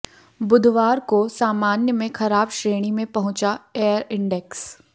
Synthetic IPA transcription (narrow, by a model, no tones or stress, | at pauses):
bʊd̪ʱʋaːɾkosaːmaːnjəmẽxɐɾaːbʃɾeːɽ̃imẽpɐɦʊ̃t͡ʃaeːəɾɪ̃ɳɖɛks